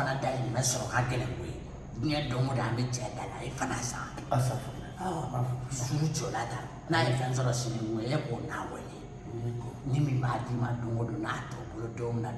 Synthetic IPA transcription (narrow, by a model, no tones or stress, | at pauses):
anadainĩmɛsɔɾɔkaɡɛlɛ̃kojḛ | dũɲɛdõŋɡodaãbet͡ʃɛdala̰jefanasã̰sɔwainĩt͡ʃolata | najefɛ̃s̬ɔɾɔsinĩɡuejekonabɔ̰je | nimĩbadimãdõŋɡodõnatɔbolodõmĩna